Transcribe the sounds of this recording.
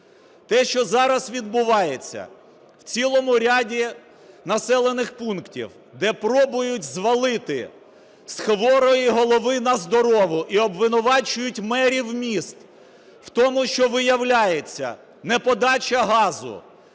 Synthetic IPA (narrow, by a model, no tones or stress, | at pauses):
t̪ɛʃt͡ʃɔzɑɾɐsʋʲid̪̚bʊʋɑjet͡sʲːɐ̰ | wt͡sʲilˠɔmʊɾʲadʲi | nɐsɛlˠenɪxpunktʲḭw | d̪ɛpɾɔbʊjʊtʲzʋɐlˠɪt̪ɪ̰ | sxʋɔɾɔjiɦɔlˠɔʋɪnɐzd̪ɔɾɔʋʊʔiɔbʋɪnʊʋɑt͡ʃʊjʊtʲmɛɾʲiwmʲist̪ | w̥t̪ɔmʊʃt͡ʃɔʋɪjɐwlʲajet͡sʲːɐ̰ | nɛpɔd̪ɑt͡ʃɐɦɑzʊ̰